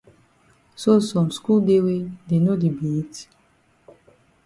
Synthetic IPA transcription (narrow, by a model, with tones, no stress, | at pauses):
so˦sɔ̃˨msku˦lde˦we˦de˨no˦di˨bi˨˦t